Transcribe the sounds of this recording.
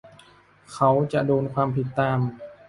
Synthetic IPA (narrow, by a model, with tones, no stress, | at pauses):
kʰa˦˥wt͡ɕa˨˩ʔdoː˧nkʰwaː˧mpʰi˨˩t̪ːaː˧m